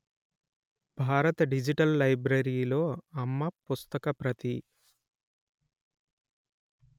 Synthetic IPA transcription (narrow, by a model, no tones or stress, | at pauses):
bʱaːɾɐt̪ɐɖid͡ʒiʈɐlːɐjbɾɐɾiːlo̞ːɐmːɐpust̪ɐkɐpɾɐt̪i